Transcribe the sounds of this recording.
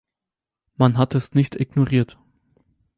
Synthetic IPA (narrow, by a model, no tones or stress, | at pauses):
manɦatɛsnɪçtɪɡnoʁiːɐt